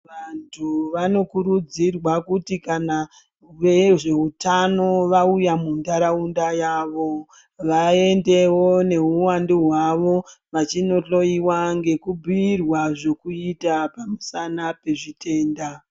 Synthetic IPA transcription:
ʋantʰuʋano̞kuɾud͡zirwakutikana | ʋeʐe̞utano̞ʋaujamundaɾaundajaːʋo̞ | ʋae̞nde̞wo̞ne̞uwandiɦwaʋo̞ʋat͡ʃino̞ɬo̞iwaŋɡe̞kubʱuirwaʐe̞kuitapamusanape̞ʐitʰe̞ːnda

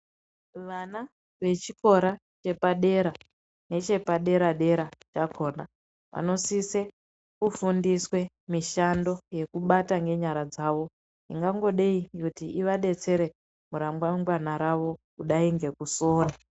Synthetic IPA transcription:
ʋana | ʋe̞t͡ʃikʰo̞ɾa | t͡ʃe̞paɗe̞ɾa | ne̞t͡ʃe̞paɗe̞ɾaɗe̞ɾat͡ʃakʰo̞ːna | ʋa̰no̞sise | kufundiswe̞ | miʃando̞je̞kuɓataŋɡe̞ɲaɾad͡zaʋo̞ | iŋɡaŋɡo̞ɗe̞ikutiʔiʋaɗe̞t͡se̞ɾe̞ | muɾamɡwamɡwanaɾaʋo̞kuɗaiŋɡe̞kusoːra

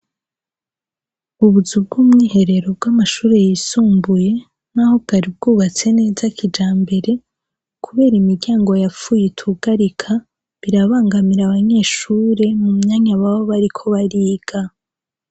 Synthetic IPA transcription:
uβuzub̚ɡuːmŋiːhe̞ɾe̞ɾo̞b̚ɡwamaʃuːɾe̞jiːsuːmbuje̞ | naho̞b̚ɡaɾib̚ɡuːβat͡se̞ne̞ːzakʰid͡ʒaːmbe̞ɾe̞ | kʰuβe̞ːɾimiɾɟaːŋɡo̞jafuːjetʰuɡ̥aɾikʰa | βiɾaβaːŋɡamiɾaβaɲe̞ːʃuːɾe̞mumɲaːɲaβaβo̞βaɾikʰo̞βaɾiːɡ̥a

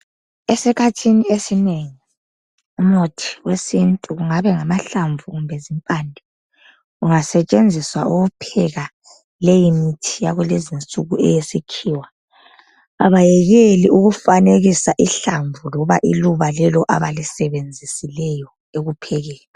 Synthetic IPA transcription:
esikʰatʰiniesineŋi | umnotʰi̥wesintʼuɣuŋaβɛŋamaɬaɱvʱuɣumbʱɛzimpʼandʱi | uŋasɛt͡ʃʼend͡zʱiswauɣupʰɛɣa | lejimitʰijaɣwɛlezint͡sʼuɣuɛ̰jesikʰiːwa | aβajɛɣeliuɣufaneɣisaʔiɬaɱvulɔβaʔiluβalɛlɔʔa̰βalisɛβend͡zʱisilɛjɔ | eɣupʰɛɣɛːlɛ

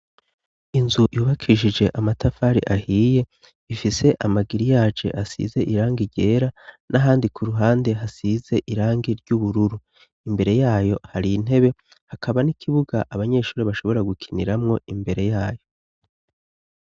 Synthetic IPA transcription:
inzujuːβakʰiʃid͡ʒe̞ʔamatʰafaːɾiʔahiːje̞ | ifise̞ʔamaɡiɾijaːd͡ʒe̞̰ʔasḭze̞ʔiɾaːŋɡiɟe̞ːɾanʔaɦaːndikʰuɾuɦaːnde̞ɦasize̞ʔiɾaːŋɡiɾɟuβuɾuɾu | imbe̞ɾe̞jaːjo̞haɾin̥e̞βe̞ | hakʰaβanikʰiβuɡaʔaβaɲe̞ːʃuːɾiβaʃo̞βo̞ɾaɡukʰiniɾamŋo̞imbe̞ɾe̞jaːjo̞

